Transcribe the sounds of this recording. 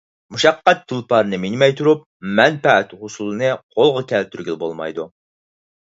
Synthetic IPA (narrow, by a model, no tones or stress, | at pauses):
muʃɑqːɑt̪̚d̪̥ulˠpɑɾɨnɨmiŋmɛjt̪ʰuɾup̚ | mɛnpæt̪ʁʊsulˠɨnɨqʰolˠʁɑkʲʰɛlt̪ʰyɾɡʲylˠbolˠmɑ̰jd̪u